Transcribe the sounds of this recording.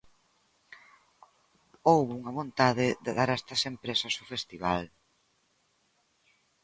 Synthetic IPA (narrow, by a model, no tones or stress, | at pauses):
owβuŋɐβont̪aðɪðeðaɾɛst̪ɐsempɾesɐsofest̪iβ̞al